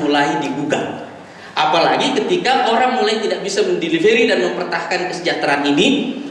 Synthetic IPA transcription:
mulaidiɡuɡa | ʔapala̰ɡikət̪ikaʔoɾaŋmulajt̪idaʔ̚bisaməndeliveɾidanməmpərt̪ahkankəsəd͡ʒat̪ɾaɦanini

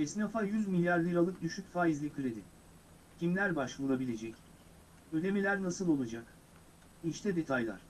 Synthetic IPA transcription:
ɛsnafajyzmilʲjaɾlʲˠɯɾalˠɯk̚d̪yʃycfaːjizlʲikʰyɾʲed̪ɪ | cʰimlʲæɾbaʃvuɾˠabilʲe̞d͡ʒɛc | ød̪e̞milʲæɾnasɯlˠo̞lˠad͡ʒak | iʃt̪ʰɛd̪e̞t̪ʰajlˠa̰ɾ̥

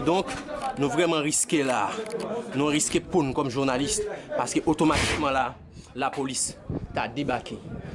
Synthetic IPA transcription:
d̪ɔ̃knũvʁɛmɑ̃ʁiskela | nũʁiskepũnkɔmʒuʁnalist̪paʁskøʔot̪omat̪i̥k̚mɑ̃la | lapolist̪ad̪ebake

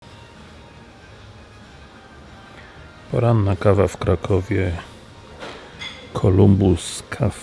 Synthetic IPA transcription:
pɔɾanːakavafkɾakʰɔvʲjɛ | kʰɔlumbuskʰaf

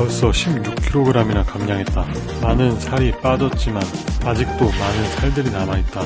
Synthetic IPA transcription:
aɯs͈ʌɕʰibjukʰiɾoɡɯɾaminakamɲaŋɦe̞t̚t͈a | manɯnsʰaɾip͈ad͡ʑʌt̚t͡ɕ͈imanad͡ʑik̚t͈omanɯnsʰaɭdɯɾinamait̚t͈a

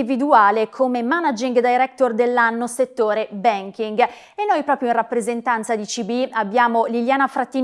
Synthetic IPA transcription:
ivid̪uaːlekʰomemanad͡ʒiŋɡd̪ajɾɛk̚t̪ord̪elːanːoset̪ːoːɾebɛŋkiŋɡ | enːojpɾɔːpɾjoĩrapːɾezent̪ant̪sad̪it͡ʃibiabːjaːmoliljaːnafɾat̪ːiː

